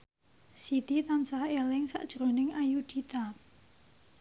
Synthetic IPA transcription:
sit̪it̪ansahelɪŋsa̰ʔd̥ʒ̥ɾonɪŋʔajud̪̥it̪a

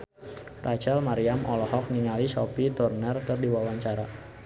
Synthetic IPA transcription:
rʔat͡ʃalmaɾiamʔɔlɔɦɔk̚niŋalisɔpit̪ɔrnərkərdiwawaɲt͡ʃaɾa

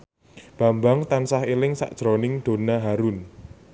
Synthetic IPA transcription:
b̥a̤mbaŋt̪ansahilɪŋsa̰ʔd̥ʒ̥ɾonɪŋd̪̥o̤naɦaɾʊn

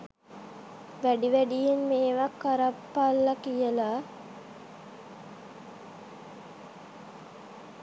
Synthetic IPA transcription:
ʋæɖiʋæɖijenmeːʋakːaɾapːalːɐkijəla

